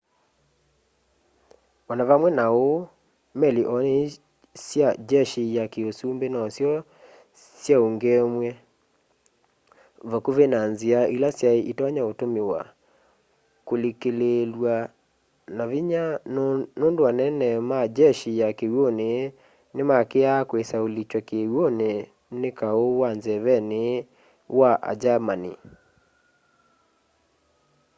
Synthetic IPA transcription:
βɔnaβamwɛnao | mɛliʔɔne | sjad͡ʒɛʃijakeosumbenɔsjɔ | sjaoŋɡɛmwɛ | vakuvenanziailasjaeʔitɔɲaotomewa̰ | kolikelelwa | naβiɲanondowanɛnɛmad͡ʒɛʃiakewone | nemakeakwesaolit͡ʃwakeɣwone | nekaowanzɛβɛne | waʔa̰d͡ʒamanḭ

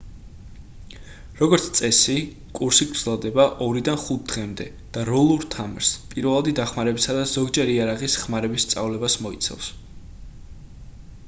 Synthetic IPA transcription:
ɾɔɡɔɾt̪sʰt̪sʼɛsi | kʼuɾsiɡɾd̪zɛlˠd̪ɛbaʔɔɾid̪anχut̪̚ʰd̪̥ʁɛmd̪ɛ | d̪̥aɾɔlˠuɾt̪ʰamɾspʼiɾvɛlˠad̪id̪aχmaɾɛbisad̪az̥ɔɡd͡ʒɛɾiaɾaʁisχmaɾɛbist̪sʼa̰vlɛbasmɔḭt̪sʰɛ̰fs

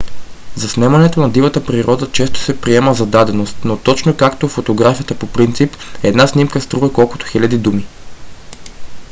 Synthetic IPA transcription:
zɐsnɛmɐnɛt̪onɐd̪ivət̪əpɾiɾɔd̪ət͡ʃɛst̪o̥sɛpɾiɛməzɐd̪ad̪ɛnost̪not̪ɔt͡ʃnokakt̪ofot̪oɡɾafijət̪əpopɾint̪sip | ɛd̪nasnimkəst̪ɾuvəkɔlˠkʊ̥t̪o̥xilʲɐd̪id̪umi

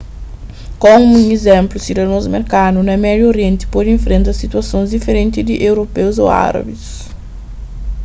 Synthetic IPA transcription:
kõmũŋezẽmplʊsid̪ɐnozmeɾkanunɐmɛd̪joɾiẽnt̪ɪ̥pod̪ẽɱfɾẽnt̪ɐsit̪uɐsõzd̪ifeɾẽnt̪id̪ɪʔewɾopewzo̰a̰ɾɐ̰bis

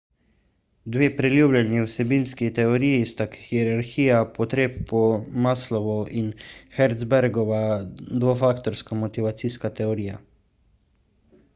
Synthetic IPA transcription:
d̪ʋeːpɾɛljuːblʲjanjiwsɛbiːnskit̪ɛoɾiːjst̪akxiɛɾaɾxiːjapɔt̪ɾeːppɔmaːslɔʋɔʔinxɛɾt̪zbɛɾɡɔʋad̪ʋofaːkt̪ɔɾskamɔt̪iʋat̪siːskat̪ɛoɾiːja̰

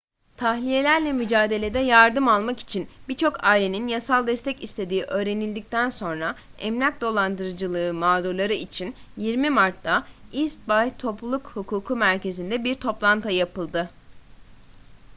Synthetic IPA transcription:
t̪ʰahlʲije̞lʲæɾlʲɛmyd͡ʒaːd̪e̞lʲe̞d̪ɛjaɾd̪ɯmalˠmaki̥t͡ʃʰinbiɾt͡ʃʰo̞kʰaːilʲe̞ninjasalˠd̪ɛst̪ʰɛcist̪ʰe̞d̪iːʔø̞ːɾe̞nilʲd̪ic̚t̪ʰænso̞nɾaɛmlʲac̚d̪o̞lˠand̪ɯɾɯd͡ʒɯlˠɯːmaːd̪oɾlˠaɾɯit͡ʃʰinjiɾmimaɾt̪ʰːaist̪̚bajt̪ʰo̞pˠulˠukhukʰuːkʰumæɾce̞zind̪ɛbiɾt̪ʰo̞plˠant̪ʰajapɯlˠd̪ɯ

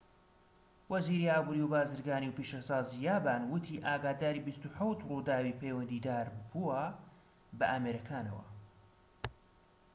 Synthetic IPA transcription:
wɐziːɾiːaːbuːɾiwbaːzɨɾɡaːniwpiʃɐsaːzijaːbaːnwʊt̪ʰiːʔaːɡaːd̪aːɾiːbist̪uħawt̪ruːd̪aːwiːpʰeːwɐnd̪iːd̪aːɾbuwɐ | bɐʔaːmeɾɐkʰaːnɐ̰wɐ̰

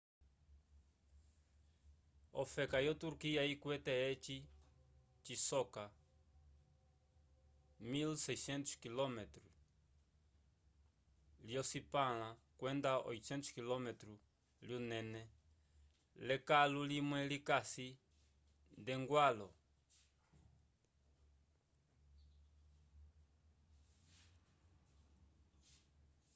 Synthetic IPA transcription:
ofɛkajot̪uɾkiaikwɛt̪eet͡ʃi | t͡ʃisɔka | milsejsɛ̃nt̪u̥skilɔmet̪ɾu | liosipal̃ãkwẽnd̪ao̰jtsẽnt̪uskilomet̪ɾu | ljunẽne | lekalulimwɛ̃likasi | d̪eŋɡwalo

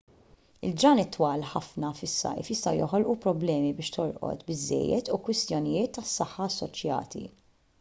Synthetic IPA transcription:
ɪld͡ʒɾɐːnɪt̪ːwɐːlħɐfnɐfɪsːɐ̰kḭːfjɪst̪ɐwjɔħɔlʔupɾɔblɛːmibɪːʃt̪ɔɾʔɔ̰t̪bɪzːɛ̰jːɛt̪ukwɪst̪jɔnɪjɪːt̪ːɐsːɐħːɐːsːɔt͡ʃjɐ̰ːt̪ḭ

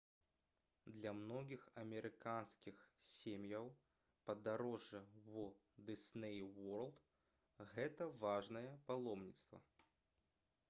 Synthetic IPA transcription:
d̪lʲɐmnɔɣʲixɐmʲɛɾɨkanskʲixsʲemjɐw | pɐd̪aɾɔʐːɐvɔ | d̪ɨsnɛjwɔrlˠt̪ | ɣɛt̪ɐvaʐnɐjɛpalˠɔmnʲit̪st̪vɐ̰

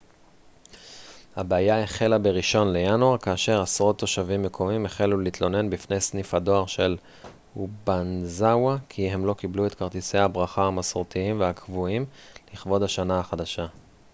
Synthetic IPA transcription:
habeajaeχe̞labeʁiʃo̞nle̞januaʁkaːʃe̞ʁasʁo̞t̪ːo̞ʃavimːe̞kʰo̞mimeχelulit̪lo̞ne̞nbifne̞jsnifado̞aʁʃe̞l | ubanzawakʰiɦe̞mlo̞kibluet̪kaʁt̪ise̞jhabʁaχahamasoʁt̪iimveakʰvuimliχbo̞d̪haʃanaaχadaʃa

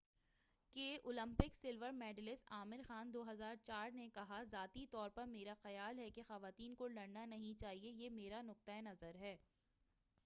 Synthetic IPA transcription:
keʔoːlə̃mpɪksɪlʋəɾmɛːɖlɪsaːmɪɾxaːnd̪oːɦɐzaːɾt͡ʃaːɾnekɐɦazaːt̪it̪ɔːɾpɐɾmeːɾaxɐjaːlɦɛkexɐʋaːt̪iːnkolɐɽnanɐɦĩt͡ʃaːɦiejemeːɾanʊk̚t̪aenɐzəɾɦɛː

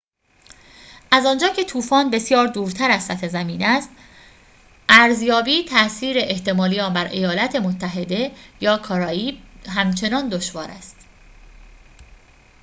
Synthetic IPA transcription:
ʔæzɒːnd͡ʒɒːcʰe̞t̪ʰuːfɒːnbe̞sjɒːɾd̪uːɾt̪ʰæɾæzsæt̪ʰezæmiːnæst̪ | ʔæɾzjɒːbiːt̪ʰæʔsiːɾe̞ʔeht̪e̞mɒːlijɒːmbæɾʔe̞jɒːlæt̪ʰe̞mot̪ʰːæɦe̞d̪e̞jɒːkʰɒːɾɒːiːɦæmt͡ʃʰe̞nɒːnd̪oʃvɒːɾæ̰st̪

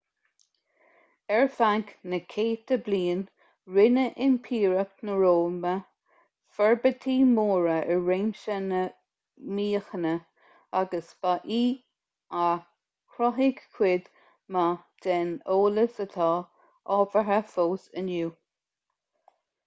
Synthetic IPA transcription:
ɛɹfaŋknəkʰeːt̪əbliːn | ɹɪnəʔɪnpʰiːɹəknəɹoːmə | fɛɹbət̪ʰiːmoːɹəəɹɹeːmʃənə | miːxənə | aɡəsbaʔiː | a | kʰɾɔɦɪɡkʰwɪd̪ | mad̥ɛnoːləsət̪ʰɑː | ɔːvəɦəfoːsənjuː

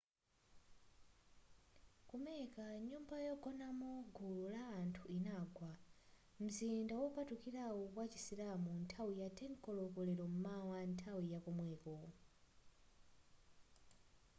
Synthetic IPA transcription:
kumɛkaɲumbajɔɡɔnamɔɡululaːntʰuinaːɡwa | m̩zindawɔpatukiɾawɔkwat͡ʃi̥siɾamuntʰawijatʰɛnkɔlɔkɔlɛɾɔm̩mawantʰawijakɔmwɛːkɔ

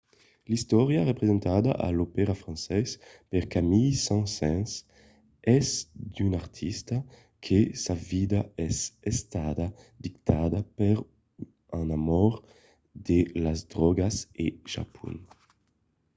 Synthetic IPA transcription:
list̪ɔʁjaʁepɾezɛ̃nt̪ad̪a̰ʔa̰lopɛɾafɾãnsɛspɛʁkamijsãnsɛ̃ns | ɛzd̪ynaʁt̪ʰist̪a | kʰesavid̪aɛsɛst̪ad̪ad̪ikt̪ad̪apɛʁ | ãnamɔɾ | d̪elazd̪ʁɔɡaseʒa̰pʰṵn

